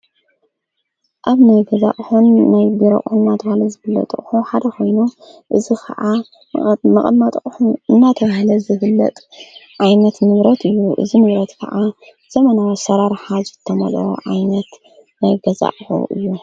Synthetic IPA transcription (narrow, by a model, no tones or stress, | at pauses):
ʔaβnajɡɐza̰ʔħunːajbiɾɐʔʼunɨnːat̪ʰɐβahlɐzɨbɨlːɐ̰t̪ʼχʼħuħad̪ɐkʰo̞jnuʔɨzikʰɐ̰ʕa | mɐχʼɐmat̪ʼħunɨnːat̪ʰɐβahlɐzɨhɨlːɐ̰t̪ʼʕajnɐt̪nɨβɾɐt̪ɨjːuʔɨ̰zinɨβɾɐt̪kʰɐ̰ʕʔa | z̥ɐmɐnawsɐɾaɾħazɨt̪ʰːɐmɐlo̰ʕajnɐt̪ | najɡɐza̰ʔħṵʔɨ̰jːu